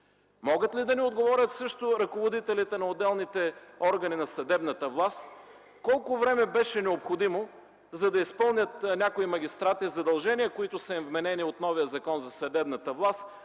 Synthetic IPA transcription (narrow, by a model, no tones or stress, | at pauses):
mɔɡət̪lid̪ɐniod̪ɡovɔɾʲət̪sɤʃt̪ʊɾɐkovod̪it̪ɛlit̪ɛnɐod̪ɛlˠnit̪ɛɔɾɡɐninɐsɐd̪ɛbnət̪əvlˠast̪ | kɔlˠkʊvɾɛmɛbɛʃɛnɛopxod̪imo | zɐd̪ɐispɤlˠnʲət̪nʲakʊimɐɡʲist̪ɾat̪izɐd̪ɐlˠʒɛnijəkoit̪ʊsɐimvmɛnɛniot̪nɔvijəzɐkɔnzɐsɐd̪ɛbnɐt̪əvlˠast̪